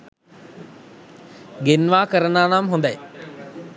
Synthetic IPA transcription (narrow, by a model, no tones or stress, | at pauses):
ɡenʋaːkəɾənaːnamɦond̪aj